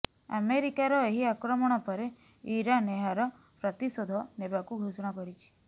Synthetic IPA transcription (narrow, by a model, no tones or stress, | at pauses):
a̰meɾikaɾɔeɦiakɾɔmɔɽ̃ɔpɔɾe | iɾaneɦaɾɔ | pɾɔt̪isod̪ʱɔnebakuɡʱusɔɽ̃ɔkɔɾit͡ʃʰi̥